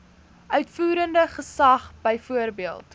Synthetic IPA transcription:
ʔœɥtfuːɾəndəχəsɐχb̥əjfuərbiəlˠt

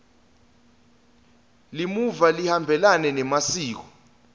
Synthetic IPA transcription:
limuvalihambʱɛlanɛnɛmasiːk̬ɔ̥

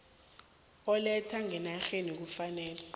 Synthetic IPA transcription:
ɔlɛtʰaŋɛnaxenik̬ufanɛːlɛ

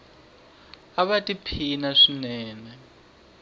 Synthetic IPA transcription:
aβatʼipʰinaʂinɛːnɛ

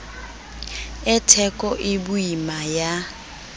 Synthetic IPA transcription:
ɛtʰɛkʼɔʔɪbuimaja

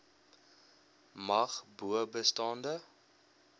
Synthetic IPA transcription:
mɐχbuəbəstɑndə

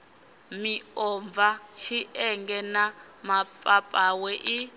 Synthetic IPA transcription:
miɔɱb̪vat͡ʃʰiʔɛŋɡɛna | mapʼapʼawɛʔi

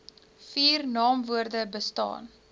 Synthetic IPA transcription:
fiːrnɑːmvuərdəbəstɑ̰ːn

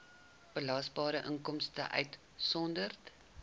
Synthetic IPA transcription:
b̥əlɐsbɑːɾəʔəŋkɔmstə̰ʔœ̰ɥt | sɔndərt

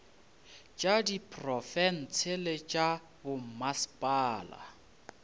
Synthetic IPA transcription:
t͡ʃʼadipʰʼrɔfɛn̩t͡sʰelɪt͡ʃʼa | bʊm̩maspʼaːla̰

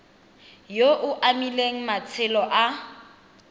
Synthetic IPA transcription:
joʔʊʔamileŋ̩mat͡sʰɪlɔʔa

